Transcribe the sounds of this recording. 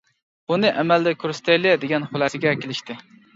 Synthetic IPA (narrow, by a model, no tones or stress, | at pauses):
bunɪʔæmæld̪ɛkʲʰøɾst̪ʰɛjlɪd̪eɡʲɛnχʊlˠæsɪɡʲɛkʲelɪʃt̪ʰɪ